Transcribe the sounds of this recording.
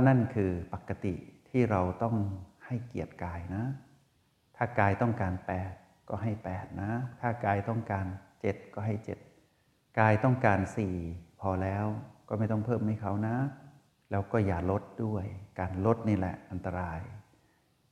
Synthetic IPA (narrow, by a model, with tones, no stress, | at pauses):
na˥˩˨nkʰɯː˧pa˨˩kːa˧t̪ḭ˨˩t̪ʰiː˥˩ɾa˧wt̪ɔ˥˩ŋha˥˩jki˨˩ət̪̚kaː˧jna˦˥ | t̪ʰaː˥˩kaː˧jt̪ɔ˥˩ŋkaː˨˧npɛː˨˩t̪̚ | kɔː˥˩ɦa˥˩jpɛː˨˩t̪̚na˦˥t̪ʰaː˥˩kaː˧jt̪ɔ˥˩ŋkaː˧nt͡ɕe˨˩t̪̚kɔː˥˩ɦa˥˩jt͡ɕe˨˩t̪̚ | kaː˧jt̪ɔ˥˩ŋkaː˧nsiː˨˩pʰɔː˧lɛː˦˥wkɔː˥˩ma˥˩jt̪ɔ˥˩ŋpʰɤː˥˩˨mha˥˩jkʰa˧˥˩wna˦˥ | lɛː˦˥wkɔː˥˩jaː˨˩lo˦˥t̪̚du˥˩əjkaː˨˧nlo˦˥t̪̚niː˥˩lɛ̰˨˧˩ʔa˧nt̪a˧ɾaː˧j